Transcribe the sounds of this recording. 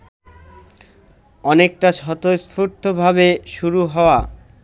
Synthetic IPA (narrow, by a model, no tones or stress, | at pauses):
ɔnek̚ʈaʃɔt̪ost̪ʰuɾt̪ʰobʱabeʃuɾuɦɔoa